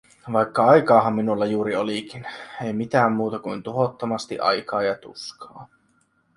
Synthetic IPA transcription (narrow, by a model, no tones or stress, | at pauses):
ʋɑjkːɑɑjkɑːɦɑmːinulːɑjuːɾiolikine̞jmit̪æːmːuːt̪ɑkujnt̪uɦot̪ːomɑst̪iʔɑ̰jkɑːjɑt̪ṵskʰɑː